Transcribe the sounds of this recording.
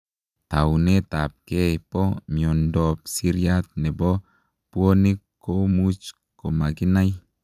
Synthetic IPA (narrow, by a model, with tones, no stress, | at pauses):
t̪a˨wne˦t̪a˨p̚ke˦pɔ˦mi˨o˨ndɔ˨psi˦ɾja˦t̪̚nɛ˨bɔ˦ | pu˦o˦ni˦kː | o˦mu˦t͡ʃ | ko˨ma˨ɡi˦na˦j